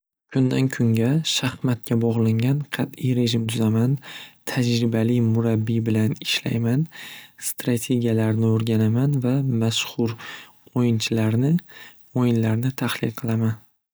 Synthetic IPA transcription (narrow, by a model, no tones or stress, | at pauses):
kʰʊnd̪ankʲʰʊŋɡʲaʃahmat̪̚kʲʰabɒʁlˠɪŋɡʲanqʰɑt̪ijɾe̞ʒɪmt̪ʰʊzamant̪ʰad͡ʒɾɪbalijmʊɾabːibɪlanɪʃla̰jmanst̪ɾat̪ʰe̞ɡʲijalaɾnɪoɾɡʲanamanvamaʃhʊɾ | ojɪnt͡ʃʰɪlaɾnɪ | ojɪnlaɾnɪt̪ʰahlɪlqʰɨlˠaman